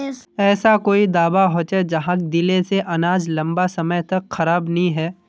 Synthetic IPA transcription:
ɛːsakoːid̪aːbaɦoːt͡ʃed͡ʒɐɦãkd̪ɪleseʔɐnaːd͡ʒlɐ̃mbasɐməjt̪ɐkxɐɾaːbnɐɦĩɦɛː

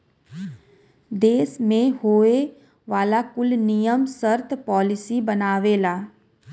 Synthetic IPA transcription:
d̪eːsmẽhoːe | ʋaːlaːkʊlnijəmsəɾt̪ʰpɔːlɪsibənaːʋeːlaː

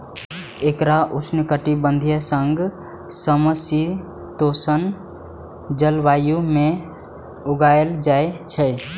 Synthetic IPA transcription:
ekɾaʔut͡ʃʰnəkəʈibənd̪ʱijəsəŋɡʱ | səməsi | t̪osən | d͡ʒəlʋajumẽ | uɡaeld͡ʒaet͡ʃʰə

